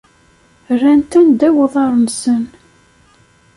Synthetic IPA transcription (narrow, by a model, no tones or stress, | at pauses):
rːænt̪ænd̪æwəðˤɑɾˤənsən